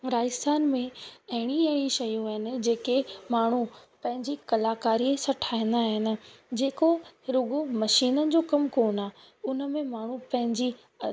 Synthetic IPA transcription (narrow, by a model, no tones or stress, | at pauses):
ɾaːɪst̪ʰaːnmẽɐɦɪɽ̃iɐɦɪɽ̃iʃɐjũɦɪnɪ̆d͡ʑeːkemaːɳ̤upɐ̃ɦɪ̃ɲd͡ʑikɐlaːkaːɾiesɐʈʰaːɦɪ̃n̆d̪aːɦɪnɪ̆d͡ʑeːkoɾʊɡomɐʃiːnənɪ̆d͡ʑoːkɐmkoːnaː | ʊnəmẽmaːɳ̤upɐ̃ɦɪ̃ɲd͡ʑi